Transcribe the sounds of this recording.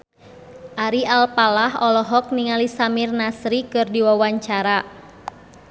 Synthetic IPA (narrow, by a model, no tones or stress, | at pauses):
ʔaɾialpalahɔlɔɦɔk̚niŋalisamirnasɾikɨrdiwawaɲt͡ʃaɾa